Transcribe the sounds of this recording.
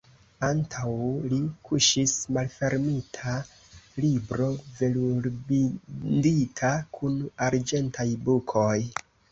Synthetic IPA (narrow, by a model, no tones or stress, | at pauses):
antʰawlikʰuʃismalfe̞ɾmitʰa | libɾo̞ve̞luɾbiditʰakʰunaɾd͡ʒe̞ntʰajbukʰo̞j